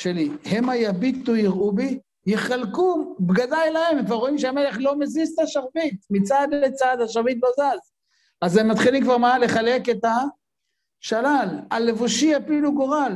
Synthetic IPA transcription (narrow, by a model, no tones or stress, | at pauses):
ʃelihemajabit̪ːuiʁubi | jeχalkubɡadajlaememkvaʁo̞imʃeamele̞χlo̞mezist̪aʃaʁvit̪mit͡sad̪et͡sad̪haʃaʁvit̪̬lo̞zaz | azemːat̪χilimkvaʁmale̞χale̞ket̪a | ʃalalalːevuʃiapiluɡoʁal